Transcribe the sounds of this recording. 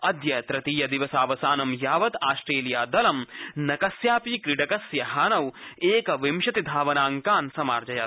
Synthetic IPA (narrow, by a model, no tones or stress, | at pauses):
ɐd̪jɐt̪ɾɐt̪iːjɐd̪iʋɐsaːʋɐsaːnɐmjaːʋɐt̪aːsʈɾeːlijaːd̪ɐlɐmnɐkɐsjaːpikɾiɖɐkɐsjɐɦaːnɐweːkɐʋimʃɐt̪id̪ʱaːʋɐnaːŋkaːnsɐmaːɾd͡ʒɐjɐ